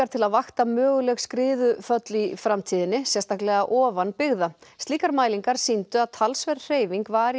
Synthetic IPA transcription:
aɾ̥t̪ʰɪlaðvaxt̪amœːɣʏlɛɣskɾɪːðʏfœt̪lifɾamt̪ʰiːðɪnːɪsjɛst̪ʰaklɛɣaʔɔːvanpɪɣðast̪iːkaɾmaːjliŋkaɾ̥sint̪ʏaðt̪ʰalsvɛɾr̥eːjviŋkvaːɾ

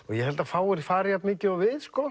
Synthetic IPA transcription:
ɔɣjɛhɛlt̪afaːwɪɾfaːɾɪjat̪mɪːcɪavɪðskola

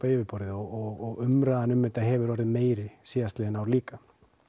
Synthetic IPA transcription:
aeːvɪɾpɔɾðɪɔɔɣɔɣʏmɾaːðanʏmːɛt̪aɦɛːvʏɾɔɾðɪmeːjɾɪsiːast̪lɛːɪnawɾliːka

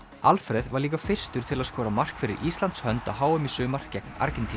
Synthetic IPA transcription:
alfɾɛðvaɾliːkafɪr̥st̪ʏɾ̥t̪ʰɪlaðskɔːɾamar̥kfɪɾɪ̰ɾʔiːst̪lant̪shœnt̪ahaːwʏmisʏːmar̥cːɛk̚na̰ɾcɪnt̪ʰi

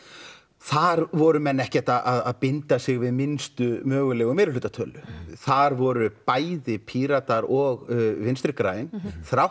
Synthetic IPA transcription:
θaɾvɔɾʏmɛnːɛhcɛht̪aðʔaðaðpɪnt̪asɪɣvɪðmɪnst̪ʏmœːɣʏlɛːɣʏmɛːɾʏlʏːt̪at̪ʰœːlʏθaɾvɔɾʏpaːjðɪpʰiɾat̪aɾɔɣvɪnst̪ɾɪhkɾajɪnθɾaw

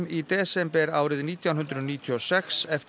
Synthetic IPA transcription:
mit̪ɛːsɛmpɛɾaːwɾɪðniːt̪ʰjawnɦʏnd̪ɾʏðniːt̪ʰiɔsɛksɛf

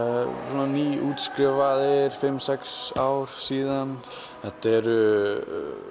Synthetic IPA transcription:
sunaniːuːt̪skɾʏvaðɪɾ̥fɪmːsɛksaːwɾ̥siːðan | θɛht̪aɛɾʏ

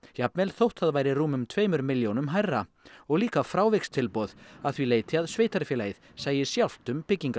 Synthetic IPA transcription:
japnɛlθowht̪ʰaðvaːjɾɪruːmʏmt̪ʰveːjmʏɾmɪljownʏmɦajrːaɔɣliːkafɾaːwvejkst̪ʰɪlpɔðaðθvileːjt̪ɪaðsveːjt̪aɾfjɛlaːjɪðsaːjɪsjawl̥t̪ʏmpɪcːiŋka

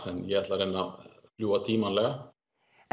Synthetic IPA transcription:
ɛnːjɛɣɛht̪laɾeːnafljuːat̪ʰiːmanlɛɣa

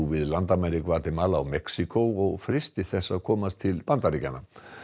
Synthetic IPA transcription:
vɪðlant̪amɛɾikvat̪ɪmaːla̰ːwmɛksikowɔɣfɾɪst̪ɪθɛsːaðkʰɔːmast̪ʰɪlpant̪aɾicana

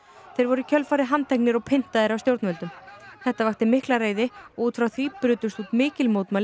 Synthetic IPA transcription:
θejɾvɔɾʏicʰœlfaːɾɪɦant̪ʰɛhk̚nɪɾɔɣpʰɪn̥t̪aðɪɾawst̪jowɾt̪nɛlt̪ʏmθɛht̪avaxt̪ɪmɪhklareːjðɪɔut̪fɾawθvipɾʏːt̪ʏst̪ut̪mɪːcɪlmowt̪mal

